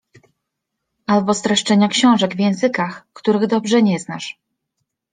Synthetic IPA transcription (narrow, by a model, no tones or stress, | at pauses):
ʔalbɔst̪ɾɛʂt͡ʂɛɲakɕɔ̃w̃ʐɛɡvʲjɛ̃w̃zɘkaxkt̪uɾɘɣd̪ɔbʐɛɲɛznaʂ